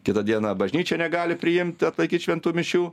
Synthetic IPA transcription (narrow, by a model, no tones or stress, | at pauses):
kʲɪt̪ɑd̪ʲiɛnɐbɐʒʲnʲiːt͡ʃʲɛnʲɛɡɑːlʲɪpʲɾʲɪjɪmʲt̪ʲɪɐt̪lˠɐɪkʲiːt̪ʃʲʋʲɛnt̪uːmʲɪʃʲuː